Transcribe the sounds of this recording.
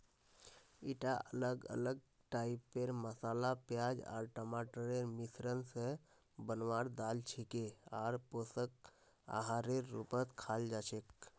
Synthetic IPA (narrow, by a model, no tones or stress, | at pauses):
iʈaʔələɡə̰ləɡ̚ | ʈaipːeɾməsalapjad͡ʒa̰ɾʈəmaʈəɾeɾmisɾənsə̃ | bənʋaɾd̪alt͡ʃʰikeaɾposək̚ | a̰ɦaɾeɾːṵpət̪kʰald͡ʒat͡ʃʰek